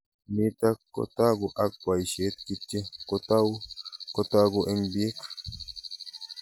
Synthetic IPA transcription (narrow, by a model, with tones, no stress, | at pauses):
ni˦t̪a˦kːo̰t̪a˦ɡu˨ʔa˦k̚ːʷa˨jʃe˨˦t̪̚ki˦tːe˦ko˦t̪a˦wko˧t̪a˦ɡo˧ʔe˦ŋbie˦k